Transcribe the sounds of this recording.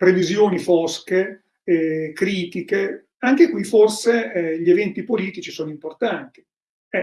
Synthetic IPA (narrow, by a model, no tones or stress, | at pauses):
pɾevizjoːnifɔske | ɛkɾiːt̪ike | aŋk̟ekwiforseʎevɛnt̪ipoliːt̪it͡ʃisoːnoimport̪ant̪i̥ | ɛ